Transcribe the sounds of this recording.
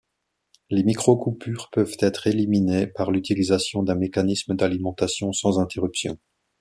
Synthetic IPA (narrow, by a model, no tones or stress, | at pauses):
lemikχokupyːʁpœvt̪ɛt̪χeliminepaʁlyt̪ilizasjɔ̃d̪ɛ̃mekanisməd̪alimɑ̃t̪asjɔ̃sɑ̃zɛ̃t̪eʁypsjɔ̰̃